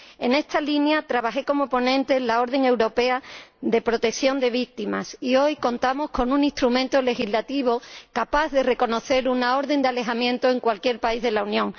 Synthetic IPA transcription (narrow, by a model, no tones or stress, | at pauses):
e̞ne̞st̪alinjat̪ɾaβaxe̞ko̞mo̞po̞nẽ̞nt̪e̞lao̞ɾðe̞ŋewɾo̞pe̞aðe̞pɾo̞t̪e̞kθjo̞nd̪e̞β̞ik̚t̪ima̰sio̞jko̞nt̪amo̞sko̞nũnĩst̪ɾumẽnt̪ole̞xizlat̪iβ̞o̞kapaððere̞ko̞no̞θe̞ɾunao̞ɾðe̞nd̪eale̞ɦamjẽ̞nt̪oe̞ŋkwalkje̞ɾpaizð̞e̞launjõ̞ŋ